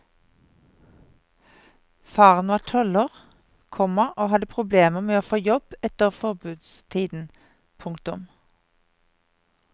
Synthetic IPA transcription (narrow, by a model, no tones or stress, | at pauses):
fɑːʁənʋɑːʈʰɔləʁ | kʰɔməʁoːɦɑd̪əpʰʁʊbleːməʁmeːoːfoːjɔb̥ɛt̪əʁfɔʁbʉːd̪st̪ʰiːd̪n̩ | pʰʊŋkt̪ʊm